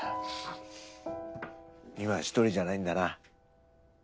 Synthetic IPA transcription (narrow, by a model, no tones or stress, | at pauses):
imaɕi̥t̪oɾʲiʑanaĩnd̪ana